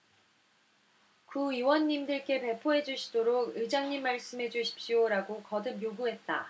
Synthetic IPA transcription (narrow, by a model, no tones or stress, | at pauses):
kuiwʌnːimdɯɭk͈e̞pe̞pʰoɦe̞d͡ʑuɕʰi̥doɾoɡɯd͡ʑaŋɲimːaɭs͈ɯmɦe̞d͡ʑuɕʰi̥p̚ɕ͈ioɾaɡokʌdɯp̚joɡuɦe̞t̚t͈a